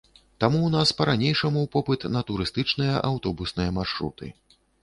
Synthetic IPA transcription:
t̪amuwnaspɐɾanʲejʂɐmupɔpɨt̪nɐt̪uɾɨst̪ɨt͡ʂnɨjɐʔawt̪ɔbusnɨjɐmarʂɾṵt̪ɨ̰

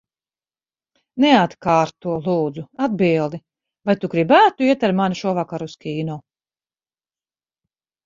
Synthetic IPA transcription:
nɛat̪kaːɾt̪uɔlˠuːd̪zuad̪̚bilˠd̪i | vajt̪uɡɾibæːt̪uiɛt̪aɾmaniʃuɔvakaɾuskʲiːnɔː

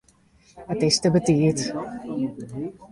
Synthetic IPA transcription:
ətɪstəbətiət

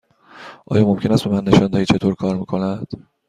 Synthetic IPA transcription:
ʔɒ̰ːjɒːmo̞mcʰʲe̞næst̪be̞mænːe̞ʃɒːnd̪æhiːt͡ʃʰe̞t̪ʰoɾkʰɒːɾmiːkʰo̞næd̪̥

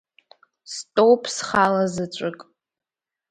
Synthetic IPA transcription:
stʼowpʼsχalazɨt͡ʃʷʼʊkʼ

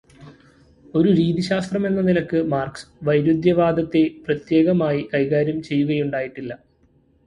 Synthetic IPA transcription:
o̞ɾuɾiːd̪iɕaːst̪rɐme̞nːɐnilɐkːɨmaːrksɨ̥ʋɐjɾud̪jɐʋaːd̪ɐt̪ːe̞prɐt̪je̞ːɣɐmaːjikɐjɣaːɾjɐmt͡ɕe̞jːuɣɐjuɳɖaːjiʈːilːɐ

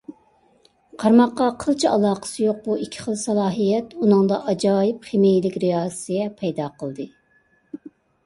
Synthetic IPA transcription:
qʰɑɾmɑqːɑqʰəlˠt͡ʃʰiɑlˠɑːqʰə̥sɨjoq̚buikʲʰːɪ̥χəlˠsɑlˠɑːɦijɛt̪unɨŋd̪ɑʔɑd͡ʒɑːjɪpχemejɪlɪkʲɾiɑːz̥sɨɡʲɛpʰɛjd̪ɑːqʰəlˠd̪ɨ

